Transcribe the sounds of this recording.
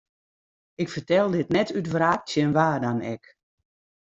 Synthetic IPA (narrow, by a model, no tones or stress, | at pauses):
ɪkfərtɛlˠdɪtnɛtytvraːk̚tjənʋaːdanɛ̰k